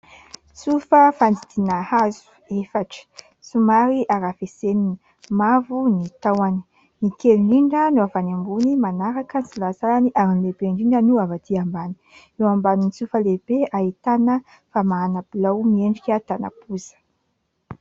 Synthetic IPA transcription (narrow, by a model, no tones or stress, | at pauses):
t͡sufəfand̪it̪inahazu̥ | efaʈ͡ʂə̥ | sumaɾiʔaɾafesenini | mavunit̪awani̥ | nikeɳɖ͡ʐiɳɖ͡ʐənuavanambunimanaɾakənisilazalaniʔaɾinilebeɳɖ͡ʐiɳɖ͡ʐənuavat̪iambani̥ | ewambaninit͡sufəlebeaɦit̪anə | famaanabilawmieɳɖ͡ʐikʲat̪ana̰pʰuzə̥